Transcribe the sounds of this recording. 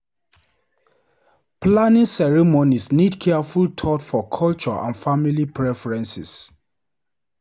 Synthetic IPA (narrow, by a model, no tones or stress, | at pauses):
planĩŋsɛɹimonisnidkʰɛafultʰɔtfɔkʰɔlt͡ʃɔʔã̰nfamilipɹɛfɛɹɛ̃nsḭs